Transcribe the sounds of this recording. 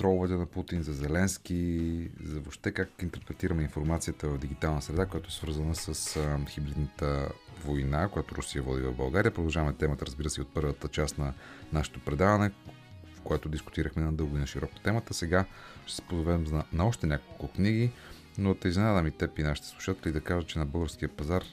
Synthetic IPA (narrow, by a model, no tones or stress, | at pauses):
st̪ɾɔɡʊvɛt̪ɛnɐput̪inzɐzɛlɛnskizɐvoʃt̪ɛkakint̪ɛɾpɾɛt̪iɾəmɛinfoɾmat̪sijət̪əvɐvd̪iɡ̟it̪alˠnəsɾɛd̪akojat̪oɛsvɤɾzənəsəsxibɾid̪nət̪ə | vojnakojat̪ʊɾʊsijəvɔd̪ivɐ̰vbɐlˠɡaɾiəpɾod̪ɐlˠʒavɐmɛt̪ɛmət̪əɾəzbiɾəsɛiot̪̚pɤɾvət̪ət͡ʃasnɐnaʃɛ̥t̪opɾɛd̪avɐnɛ | kojat̪ʊd̪iskʊ̥t̪iɾəxmɛnɐd̪ɤlˠɡod̪inəʃiɾɔko̥t̪ɛmət̪əsɛɡaʃt̪ɛ̥spozovɛmnɐɔʃt̪ɛnʲakolˠkʊkniɡi | not̪ɐizvɛnad̪ɐmit̪ɛpinaʃi̥t̪ə̥slˠu̥ʃat̪ɛlʲɛid̪ɐkaʒət͡ʃɛnɐbɤlˠɡəɾsk̟iəpɐzaɾ